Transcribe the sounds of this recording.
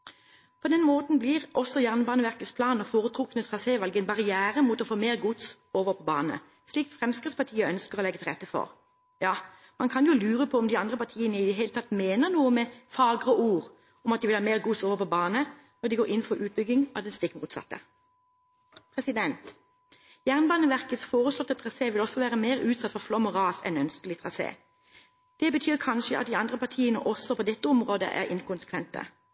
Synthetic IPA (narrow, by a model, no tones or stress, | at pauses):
pʰɔd̪ɛnmoːt̪n̩blɪʁʔɔsːɔjæʁnbɑːnəʋæʁkəspʰlɑːnəfoːʁət̪ʰʁʊknət̪ʁɑseːʋɑlɡəɛnbɑʁɪjæːɾəmut̪ɔfoːmeːʁɡʊt̪s | oːʋəpʰɔbɑːnə̰ | sliːk̪̚fʁɛmskʁɪt̪spʰɑʁt̪ʰiːəœnskəʁɔlɛɡət̪ɪlʁɛt̪ːəfɔ̰ʁ | jɑː | mɑnkʰɑnjʊlʉːʁəpʰɔɔmd̪ɪɑnd̪ʁəpʰɑʁt̪ʰiːənəɪd̪ɛɦeːlət̪ɑt̪ːmeːnənuːəmɛfɑːɡʁəʔuːʁ | ɔmɑt̪̚ɪʋɪlɑːmeːʁɡusoːʋəpʰɔbɑːnə | nɔd̪ɪɡoːɾɪnːfɔɾʔʉːt̪̚bʏɡːɪŋɑ̰d̪ɛnst̪ɪkmuːt̪sɑ̰t̪ːə | pʰʁɛsɪd̪ɛnt̪ | jæʁnbɑnəʋæʁkət̪sfoːʁəslɔt̪ːət̪ʰʁɑseːʋɪlɔsːɔʋæːʁəmeːʁʉːt̪sɑt̪ːfɔʁflɔmɔʁɑːsɛ̰nœnskəlɪt̪ʰʁɑsḛː | d̪̥ɛbət̪ʰyːʁkʰɑnʃəʔɑt̪̚d̪ɪɑnd̪ʁəpɑʁt̪ʰiːənə̰ʔɔsɔpʰɔd̪ɛt̪ːəɔmʁoːd̪ə̰ʔæ̰ɾɪ̰nkʰʊnsə̥kʰʋɛnt̪ə̰